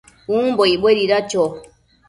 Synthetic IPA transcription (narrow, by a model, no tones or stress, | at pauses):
ũmboiɓweɾiɾat͡ʃo